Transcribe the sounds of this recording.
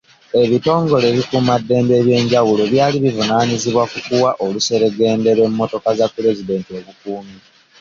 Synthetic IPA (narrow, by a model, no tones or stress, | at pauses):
e̞βito̞ːŋɡo̞le̞βikumadːe̞ːmbe̞ːβje̞ːɲɟawulo̞βjaːliβivunaːɲiziβwakukuwaʔoluse̞ɾe̞ɡe̞ːnde̞ɾwe̞mːo̞to̞kazapːiɾe̞zide̞ːntio̞βukuːmi